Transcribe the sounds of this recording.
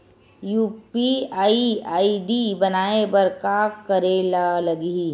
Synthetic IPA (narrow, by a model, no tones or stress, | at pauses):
juːpiaːiaːiɖibɐnaːebɐɾkakɐɾelalɐɡi